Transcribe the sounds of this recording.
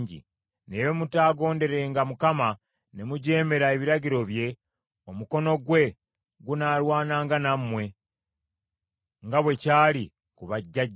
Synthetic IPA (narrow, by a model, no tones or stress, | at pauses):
ɲɟḭ | neje̞mutaːɡo̞ːnde̞ɾe̞ŋɡamukama | ne̞muɟeːme̞ɾae̞βiɾaɟiɾo̞βje̞ | omuko̞no̞ɡwe̞ | ɡunaːlwaːnaːŋɡanammwe̞ | ŋɡaβwe̞caːli | kuβaɟːaɟ